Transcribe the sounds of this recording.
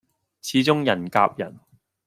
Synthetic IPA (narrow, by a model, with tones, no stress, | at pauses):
t͡sʰiː˨˥t͡sʊ˥ŋjɐ˨˩nka̰ː˧p̚jɐ̰˨˩n